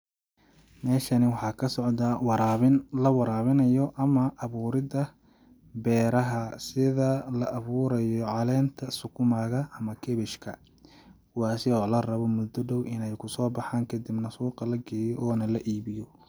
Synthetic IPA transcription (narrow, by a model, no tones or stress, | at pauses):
mɛːʃɐnɪwɑħɑːkʰɐsɔʕd̪ɐwɾɪnlɐwɑɾaːβɪnɐjɔʔɐmɐʔɐβuːɾɪðɐ | bɛːɾɐɦɐsɪðɐlɐʔɐβuːɾɐjɔʕɑlɛːnt̪ʰɐsʊkʰʊmaːɣɐɐmɐkʰɛβɛʃkʰɐ | wɑːsɪɔːlɐrɐβɔmʊd̪ɔɖɔwʔɪnɛjkʰʊsɔːbɑħaːŋkʰɐd̪ɪbnɐsuːqɑlɐɡɛːjɔʔɔːnɐlɐʔiːβɪjɔ